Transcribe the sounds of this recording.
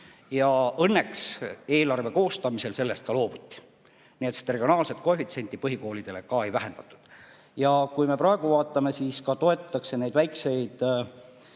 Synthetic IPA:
jɑɤnːe̞kse̞ːlɑrve̞ko̞ːst̪ɑmise̞lse̞lːest̪kɑlo̞ːb̥ut̪ʲːi̥ | niet̪se̥t̪reɡ̥ʲio̞nɑːlset̪̚kofit̪se̞nʲt̪ipɤɦiko̞ːlid̪̥e̞le̞kɑe̞jvæɦe̞nd̪ɑt̪ːˑu̥d̪̥ | jɑkujme̞prɑe̞ɡ̥uvɑːt̪ːˑɑme̞siskɑt̪o̞e̞t̪ːˑɑt̪ːˑɑkse̞ne̞jd̪væjkse̞jd̪̥

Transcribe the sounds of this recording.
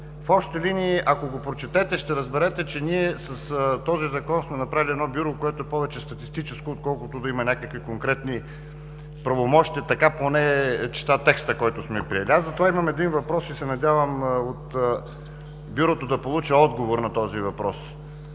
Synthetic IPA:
fɔpʃt̪ɛliniːʔɐkoɡopɾot͡ʃɛt̪ɛt̪ɛʃt̪ɛɾəzbɛɾɛt̪ɛt͡ʃɛniɛsɐst̪ɔzizɐkɔnsmɛnɐpɾaviliɛd̪nɔbjuɾokoɛt̪oɛpɔvɛt͡ʃɛst̪ɐt̪ist̪it͡ʃɛskoːt̪̚kɔlˠkʊt̪ʊd̪ɐimɐnʲakəkvikoŋkɾɛt̪ni | pɾɐvomɔʃt̪ʲiət̪ɐkaponɛt͡ʃɛ̥t̪at̪ɛkst̪əkɔjt̪ʊsmɛpɾiɛlʲiazɐt̪ovaimɐmɛd̪invɐpɾɔsisɛnɐdʲjavəmot̪ | bjuɾot̪od̪ɐpolˠut͡ʃɛɔd̪ɡovoɾnɐt̪ɔzivɐpɾɔs

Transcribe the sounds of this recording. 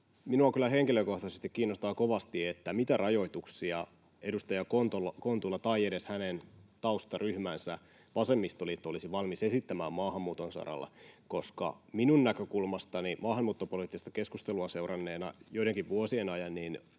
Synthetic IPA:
minuɑkylːˑæhe̞ŋkiløko̞ht̪ɑsest̪ikkiːnːost̪ɑːko̞ʋɑst̪iet̪ːæmit̪ærʔɑjo̞it̪uksiɑ | e̞dust̪ɑjɑkont̪olɑko̞nt̪ulːɑt̪ɑiedeshænent̪ɑust̪ɑryhmænsæ | ʋɑsemːist̪oliet̪ːæolisiʋɑlmise̞sit̪ːæmæːmmɑːhɑmːuːt̪onsɑ̰ɾɑ̰lːḛko̞skɑ̰minunnækøkulmɑst̪ɑnimɑːhɑmmuːt̪ːopoliːt̪ːist̪ɑke̞skust̪eluɑseurɑnːeːnɑ̰joiɾeŋkiʋʋuosienɑjɑnːin

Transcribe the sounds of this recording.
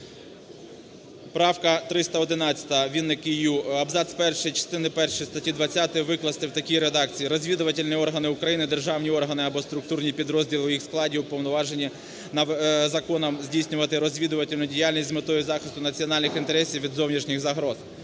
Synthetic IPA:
pɾɑwkɐt̪ɾɪst̪ɐɔd̪ɪnɑt͡sʲːɐ̥t̪ɐʋʲinːɪkɪjuɐbzɑsʲpɛrʃɔjit͡ʃɐ̥st̪ɪnɪpɛrʃjist̪ɐtʲid̪ʋɐt͡sʲːat̪ɪʋɪklˠɐst̪ɪwt̪ɐkʲijɾed̪ɑk̚t͡sʲijiɾɔzʲʋʲid̪ʊʋɐtʲɪlʲniɔrɦɐnɪʊkɾɐjinɪd̪erʒɑwnʲiɔrɦɐnɪɐbɔst̪ɾʊk̚t̪urnʲipʲid̪ɾɔzʲdʲilˠɪʊjixsklˠɑdʲiupɔwnɔʋɑʒenʲːi | nɐzɐkɔnɐmzʲdʲijsʲnʲʊʋɐt̪ɪɾɔzʲʋʲid̪ʊʋɐtʲɪlʲnʊdʲijalʲnʲisʲtʲzmɪt̪ɔjʊzɑxɪst̪ʊnɐt͡sʲiɔnɑlʲnɪxint̪eɾɛsʲiwʋʲid̪zɔwnʲiʃnʲixzɐɦɾɔz̥

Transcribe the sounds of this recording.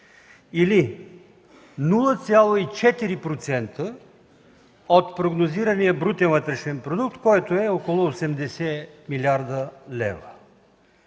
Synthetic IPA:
ili | nulˠət̪sʲjalˠoit͡ʃɛt̪iɾipɾot̪sɛnt̪ə | ot̪pɾoɡnoziɾənijəbɾut̪ɛnvət̪ɾɛʃɛnpɾod̪uk̚t̪kɔjt̪oɛokolˠoːsɛmd̪ɛsɛmilʲaɾd̪əlɛ̰və

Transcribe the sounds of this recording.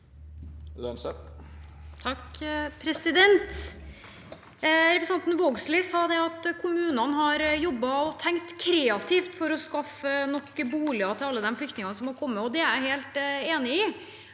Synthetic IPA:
lnsɛ | t̪ʰɑkpʰɾɛsɪd̪ɛnt̪ | ɾɛpɾəsɑnt̪n̩ʋoːɡslɪːsɑːd̪ɛɑt̪kʰʊmʉːnɑnɦɑɾjɔbːɑɔt̪ʰɛŋkt̪kʰɾɛːɑt̪ʰift̪fɔɾɔskɑfənɔkːbuːlɪɑt̪ʰɪlɑlːəd̪ɛmflʏkt̪nɪŋɑnsɔmhɑɾkʰɔmːəɔd̪ɛæɾæheːlt̪eːnɪɪ

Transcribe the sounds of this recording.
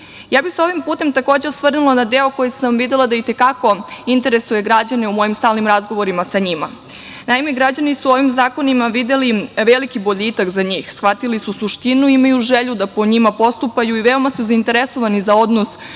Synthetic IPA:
jaːbiseo̞ʋimpuːt̪e̞mt̪ako̞ːd͡ʑe̞osʋr̩nulˠanad̪eokojesamʋid̪elˠad̪ait̪e̞kako̞int̪e̞ɾe̞suje̞ɡɾad͡ʑaneumo̞jimst̪aːlnimɾazɡo̞ʋo̞ɾimasaɲima̰ | naime̞ɡɾad͡ʑanisuo̞ʋimzaːko̞nimaʋid̪e̞liʋelikibo̞ʎit̪akzaɲiːxsxʋat̪ilisusuʃt̪inuimajuʒeʎud̪apo̞ɲimapo̞st̪upajuiʋe̞o̞masuzaint̪e̞ɾeso̞ʋanizao̞d̪nos

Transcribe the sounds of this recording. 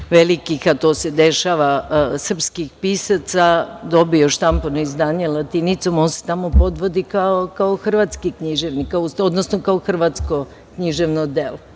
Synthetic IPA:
ʋelikixat̪oːse̞d̪eʃaʋasr̩pskixpisat̪sad̪o̞bioʃt̪amponoizd̪aːɲelˠat̪init̪somonse̥t̪amopo̞d̪ʋo̞d̪ikaokaoxr̩ʋat̪skikɲiʒeʋnikaosod̪nosnokaoxr̩ʋat̪sko | kɲiʒeʋnod̪elo

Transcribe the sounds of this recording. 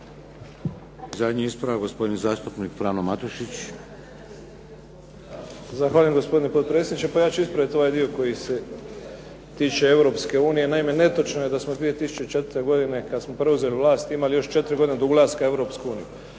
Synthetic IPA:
zad̪ɲiispɾaʋaɡospo̞d̪inizaːst̪upnikfɾaːnomat̪uʃit͡ɕ | zaxʋaːʎjemɡo̞spo̞d̪inepo̞t̪̚pɾesed̪it͡ʃepajaːt͡ʃuispɾaʋit̪o̞ajd̪io̞ko̞jise̞ | t̪iːt͡ʃe̞e̞ʋɾo̞pske̞uːnije̞naime̞ne̞t̪ot͡ʃnoje̞d̪asmod̪ʋie̞t̪isu̥t͡ʃet͡ʃe̞t̪ɾt̪e̞ɡo̞d̪ine̞kad̪smopɾe̞uze̞liʋlaːst̪imalijo̞ʃt͡ʃe̞t̪ɾiɡo̞d̪ined̪ouɡlˠaːskae̞ʋɾo̞ːpskuuːniju

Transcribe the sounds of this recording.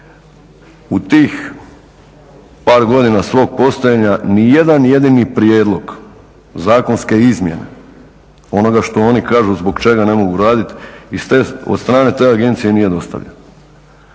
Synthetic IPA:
ut̪iːx | paːɾɡo̞d̪inasʋo̞ːɡ̚po̞st̪ojeɲanije̞d̪anje̞d̪inipɾje̞ːd̪lˠo̞ɡ | zaːko̞nske̞izmje̞̰ne̞̰ | o̞no̞ɡaʃt̪o̞o̞nikaːʒuzbo̞ɡt͡ʃe̞ɡane̞mo̞ɡuɾaːd̪it̪ist̪eod̪st̪ɾaːne̞t̪e̞ːaɡe̞nt̪sije̞nije̞d̪o̞st̪a̰ʋʎen

